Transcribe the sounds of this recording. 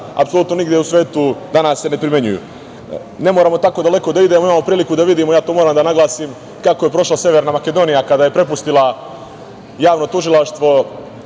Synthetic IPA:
a̰pso̞lut̪no̞niɡd̪jeusʋe̞ːt̪ud̪anaːsːene̞pɾime̞ɲṵjṵ | ne̞moɾaːmo̞t̪ako̞ːd̪ale̞ko̞d̪aid̪eːmoimaːmo̞pɾiːlikud̪aʋid̪iːmojaːt̪oːmoːɾaːmd̪anaɡlˠaːsim | kako̞je̞pɾo̞ʃlasje̞ʋeɾnamake̞d̪o̞ːnijakad̪aːje̞pɾe̞pust̪ila | jaːʋno̞t̪uʒilaʃt̪ʋo̞

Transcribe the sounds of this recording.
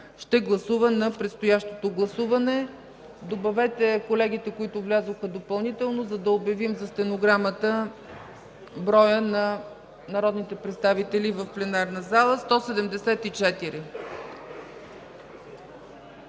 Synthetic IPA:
ʃt̪ɛɡlˠɐsuvənɐpɾɛt̪st̪ojaʃt̪o̥t̪oɡlˠɐsuvɐnɛ | d̪obɐvɛt̪ɛkolɛɡit̪ɛkoit̪ʊvlʲazoxəd̪opɐlˠnit̪ɛlˠnozɐd̪ɐobjɐvimzɐst̪ɛnoɡɾamət̪ə | bɾɔjənɐ | nɐɾɔd̪nit̪ɛpɾɛt̪st̪avit̪ɛlivəfplɛnaɾnəzalˠəst̪ɔsɛd̪ɛmd̪ɛsɛt̪it͡ʃɛt̪iɾi

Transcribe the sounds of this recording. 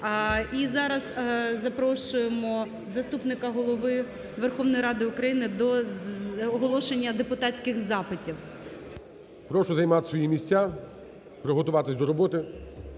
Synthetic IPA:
izɑɾɐzzɐpɾɔʃʊjemɔ | zɐst̪upnɪkɐɦɔlˠɔʋɪ | ʋerxɔʋnɔjiɾɑd̪ɪʊkɾɐjinɪd̪ɔ | ɔɦɔlˠɔʃenʲːɐd̪epʊt̪ɑtʲt͡sʲkɪxzɑpɪtʲiw | pɾɔʃɔzɐjmɑt̪ɪ̥sʋɔjimʲisʲa | pɾɪɦɔt̪ʊʋɑt̪ɪsʲd̪ɔɾɔbɔt̪ɪ

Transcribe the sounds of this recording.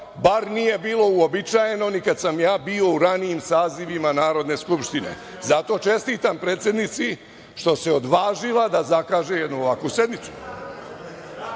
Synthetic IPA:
baɾnije̞biːlˠo̞uobit͡ʃaje̞no̞nikad̪samjaːbio̞uɾaniimsaːziʋimanaːɾo̞d̪ne̞skupʃt̪ine̞̰ | zat̪o̞t͡ʃe̞st̪iːt̪ampɾeːt̪sʲje̞d̪nit̪si | ʃt̪o̞se̞od̪ʋaːʒilad̪azakaːʒe̞jed̪nuoʋakʋuse̞d̪nit̪su̥

